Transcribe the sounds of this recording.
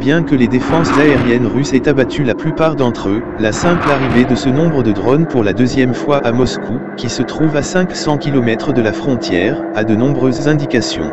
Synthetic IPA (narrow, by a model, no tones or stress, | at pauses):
bjɛ̃kəled̪efɑ̃szaeʁjɛnʁysɛt̪abat̪ylaplypaʁd̪ɑ̃t̪χø | lasɛ̃plaʁived̪əsənɔ̃bʁəd̪əd̪ʁɔnpuʁlad̪øzjɛmfwaʔamɔsku | kʲisət̪χuvasɛ̃ksɑ̃kʲilɔmɛt̪χəd̪əlafχɔ̃t̪jɛːʁ | ad̪ənɔ̃bʁøzːɛ̃d̪ikasjɔ̰̃